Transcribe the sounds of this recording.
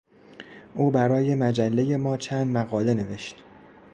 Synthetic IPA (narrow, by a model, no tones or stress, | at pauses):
ʔuːbæɾɒːje̞mæd͡ʒælːe̞je̞mɒːt͡ʃʰænd̪mæɣɒːle̞ne̞ve̞ʃt̪